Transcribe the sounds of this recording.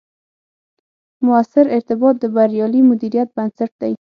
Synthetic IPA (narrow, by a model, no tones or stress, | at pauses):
mʊasɪɾɪɾt̪ɪbɑt̪̚d̪əbaɾjɑlimʊd̪iɾijat̪̚bansaʈ̚d̪aj